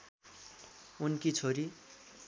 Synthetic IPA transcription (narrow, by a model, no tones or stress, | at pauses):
unkit͡sʰoɾi